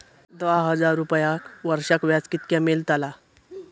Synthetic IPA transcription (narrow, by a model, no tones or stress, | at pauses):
d̪ʋaɦəd͡zaɾːupjakʋəɾʂakʋjat͡skit̪̚kjamelt̪ala